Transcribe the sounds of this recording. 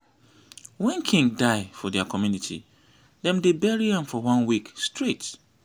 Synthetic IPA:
wɛ̃nkʰĩŋɡdaɪfɔdɛakʰɔmjunitʰḭ | dɛ̃mdebɛɹiãmfɔwãnwikstʰɹet

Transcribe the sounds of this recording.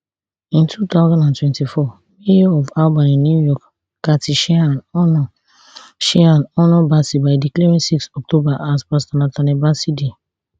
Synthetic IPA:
ĩntʰut̪aʊzãndãntwɛ̃ntifɔ | meɔvalbãnĩnujɔk | katiʃɛanɔnɔ | ʃɛanɔnɔbasibaɪdikleɹĩnsiksɔk̚tobaʔaspastanãtanɛbaside

